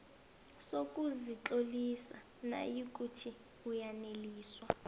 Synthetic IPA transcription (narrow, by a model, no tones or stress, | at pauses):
sokʼuzit͡ɬolisa | na̰jik̬ʼutʰi | ujaneliːswa